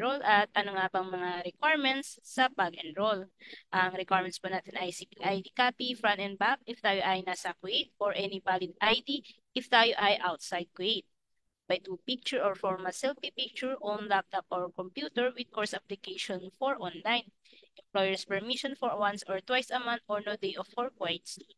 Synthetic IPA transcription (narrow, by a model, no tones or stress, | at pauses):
ɾolɐt̪̚ɐnoŋabɐŋmɐŋaɾɛkwaɹmɛ̃nt̪sːɐpaɡɛnɹolʔɐŋɾɛkwaɹmɛnspɐnaːt̪ɛnʔajsipiʔajd̪ikapifɹɐnt̪ɛnd̪̚bak̚ʔɪft̪aːjoʔajnaːsɐkwʊʔejt̪̚ɔɹʔɛnɪbalɪd̪̚ʔajd̪iʔɪft̪aːjoʔajʔawt̪̚sajd̪̚kwiejt̪̚ | bajt̪upik̚t͡ʃʊɹʔɔɹfɔɹmɐsɛlfipik̚t͡ʃʊɹʔɔnlak̚t̪apʔɔɹkɔmpjut̪ɛɹwɪd̪̚kɔɹsaplɪkejʃɔnfɔɹʔɔnlajn | ʔɛmplojɛɹspɛɹmiʃɔ̃nfɔɹwãnsɔɹt̪wajsɐmãnt̪̚ʔɔɹnod̪ejɔfɔɹkwajt̪s